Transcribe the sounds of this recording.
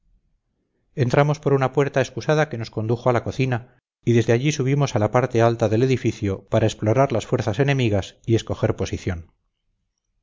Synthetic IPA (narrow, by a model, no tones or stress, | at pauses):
e̞nt̪ɾamo̞spo̞ɾunapwe̞ɾt̪ae̞skusaðake̞no̞sko̞nd̪uxoalakoθina | iðe̞zðeaʎisuβ̞imo̞salapaɾt̪e̞alt̪aðe̞leðifiθjopaɾaesplo̞ɾaɾlasfwe̞ɾθase̞ne̞miɣ̞asie̞sko̞xe̞ɾpo̞siθjo̞n